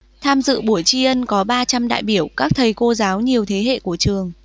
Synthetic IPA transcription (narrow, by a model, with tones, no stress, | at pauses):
t̪ʰaː˧mzɨ̰˧˨ɓu˧˩əjt͡ɕi˧ʔə˧nkɔ˨˦ɓaː˧t͡ɕa˧mɗa̰ː˧˨jɓi˧˩əwkaː˦˥k̚t̪ʰə˨˩jko˧zaː˨˦wɲi˨˩əwt̪ʰe˨˦ɦḛ˧˨ku˧˩ət͡ɕɨ˨˩əŋ